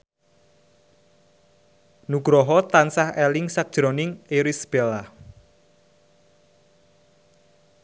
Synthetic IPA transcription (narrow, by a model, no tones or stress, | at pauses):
nuɡ̥ɾɔɦɔt̪ansahɛlɪŋsak̚d̥ʒ̥ɾɔnɪŋeɾisb̥ela